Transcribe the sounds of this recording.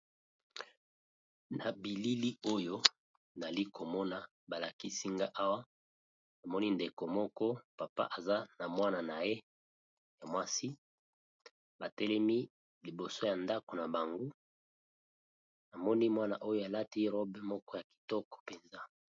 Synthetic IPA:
na˨bi˨li˦li˦o˦jo˦ | na˨li˦ko˨mɔ˦na˨ | ba˨la˨ki˦si˦ŋɡa˦ʔa˦wa˦ | na˨mɔ˦ni˦nde˨ko˨mɔ˦kɔ˦pa˨pa̰˦ʔa˨za˦na˨mwa˦na˨na˨je˦ | ja˨mwa˦si˦ | ba˨tɛ˦lɛ˦mi˦ | li˨bo˨so˦ja˨nda˦ko˨na˨ba˨ŋɡo˦ | na˨mɔ˦ni˦mwa˦na˨ʔo˦jo˦a˨la˦ti˦ʁɔ˦bɛ˦mɔ˦kɔ˦ja˨ki̥˨tɔ˦kɔ̥˨pe˨nza˦

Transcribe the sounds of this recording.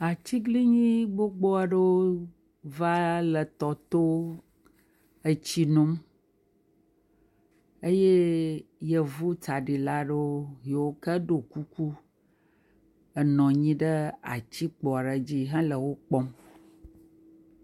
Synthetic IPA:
a˨t͡ɕi˦ɡli˦ɲĩ˦ɡ͡bo˦ɡ͡bɔ˦a˨ɖə˦wo˦ | va˦lə˨t̪ɔ˨t̪o˦ | ə˨t͡ɕi˦nõ˦m | e˦je˦je˨vu˦ta˨ɖi˨la˦ɖe˦o˦je˨wo˦kə˦ɖo˨ku˦ku˦ | ə˨nɔ̃˨ɲĩ˦ɖə˦a̰˨t͡ɕi˦k͡pɔ˨a˨ɖə˨d͡ʑi˦ɦɛ̃˦lə˨wo˦k͡pɔ˦m

